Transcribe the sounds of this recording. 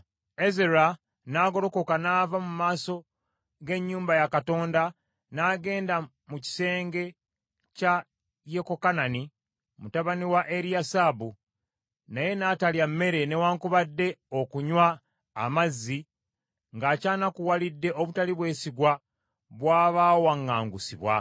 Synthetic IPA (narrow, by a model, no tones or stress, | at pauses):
e̞zeɾa | naːɡo̞ɾo̞ko̞kanaːvamumaːso̞ | ɡe̞ɲːuːmbajakato̞ːnda | naːɡe̞ːnda | muci̥se̞ːŋɡe̞ | ca | je̞ko̞kanani | mutaβaniwaʔe̞ɾijasaːbu | naje̞nataljamːe̞ɾe̞ne̞waːŋkuβadːe̞o̞kuɲwaː | mazːi | ŋɡaːcaːnakuwalidːe̞ʔoβutaliβwe̞ːsiɡwa | βwaːβaːwaŋːaːŋɡusiβwa̰